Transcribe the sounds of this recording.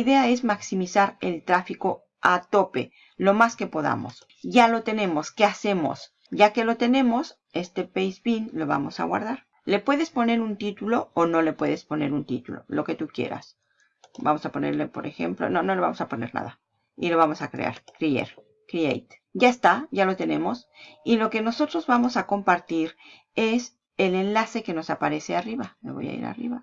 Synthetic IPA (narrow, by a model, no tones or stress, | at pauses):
iðe̞ae̞zmaksimisaɾe̞lt̪ɾafiko̞ | at̪o̞pe̞ | lo̞maske̞po̞ða̰mo̞̰s | ʝalo̞t̪e̞ne̞mo̞skease̞mo̞̰s | ʝake̞lo̞t̪e̞ne̞mo̞s | est̪e̞pejzbinlo̞βa̰mo̞sa̰ɣwa̰ɾðaɾ | le̞pwe̞ðe̞spo̞ne̞ɾunt̪it̪ulo̞ono̞le̞pwe̞ðe̞spo̞ne̞ɾunt̪it̪ulo̞̰lo̞ke̞t̪ukje̞̰ɾa̰s | ba̰mo̞sapo̞neɾlepo̞ɾʔe̞xe̞̰mplo̞̰no̞no̞le̞βamo̞sapo̞ne̞ɾna̰ða | ilo̞βamo̞sakɾe̞̰a̰ɾkɾiḛɾ | kɾiejt̪ | ɟ͡ʝaest̪aʝalo̞t̪e̞nẽ̞mo̞silo̞ke̞no̞so̞t̪ɾo̞zβamo̞sakompaɾt̪iɾ | e̞s | e̞le̞nlase̞ke̞no̞sapaɾe̞se̞ariβamḛβo̞̰ja̰ḭɾa̰rḭβa